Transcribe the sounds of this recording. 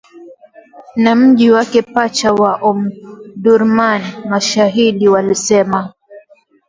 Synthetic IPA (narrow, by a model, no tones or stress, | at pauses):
nam̩ʄiwakɛpat͡ʃawaʔɔmɗuɾmanimaʃaɦiɗiwalisɛma